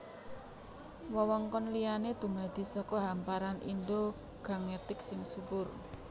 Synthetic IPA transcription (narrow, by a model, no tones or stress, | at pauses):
wɔwɔŋkɔnlijaned̪̥ṳŋad̪̥i̤sɔkɔɦampaɾanʔḭndo | ɡ̥a̤ŋet̪ɪksɪŋsubʊr